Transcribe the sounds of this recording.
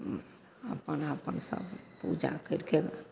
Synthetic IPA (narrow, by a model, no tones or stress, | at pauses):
əpənəpənsə̰bpud͡ʒa̰kəɾkeɡa̰